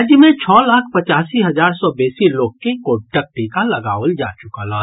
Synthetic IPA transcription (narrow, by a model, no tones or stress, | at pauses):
d͡ʒjəmet͡ʃʰɔlakʰpət͡ʃasiɦəd͡ʒaɾsɔbesilok̚kekoʈək̚ʈikaləɡa̰ʋəld͡ʒa̰t͡ʃukələ